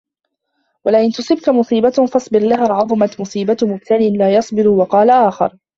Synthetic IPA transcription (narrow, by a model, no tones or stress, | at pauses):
walaʔɪnt̪ʊsˤɨbkamʊsˤiːbat̪fɑsˤbɪɾlaɦaːʕɑðˤʊmat̪mʊsˤiːbat̪mʊbt̪anɪnlaːjɑsˤbɪɾʊwɑqɑːlaʔaːxɑ̰ɾˤ